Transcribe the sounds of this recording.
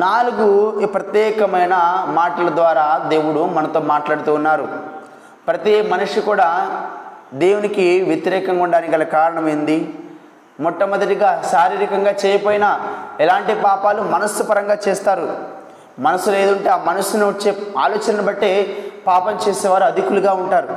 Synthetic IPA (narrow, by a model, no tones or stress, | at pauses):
naːluɡupɾɐt̪jɛːkɐmɐjnɐmaːʈɐlɐd̪ʋaːɾaːd̪e̞ːwuɽumɐnɐt̪o̞ːmaːʈlaːɽut̪uːnːaːɾu | pɾɐt̪imɐnuʂikuːɽaː | d̪e̞ːwunikiʋjɐt̪iɾɛːkɐŋɡuɳɖaːnikɐlɐkaːɾɐɳɐmɐjnd̪i | mɔʈːɐmɐd̪ɐʈiɡaːʃaːɾiːɾikɐŋɡaːt͡ʃɛːjɐpoːjinɐɛlaːɳʈipaːpaːlumɐnɐsːupɐɾɐŋɡaːt͡ʃeːst̪aːɾu | mɐnɐsːule̞ːd̪uɳʈeːaːmɐnusunut͡ʃːeːa̰ːlo̞ːt͡ʃɐnnɐbɐʈːe̞ːpaːpɐmt͡ʃeːsɛːʋaːɾuɐd̪ʱikuluɡaːuɳʈaːɾu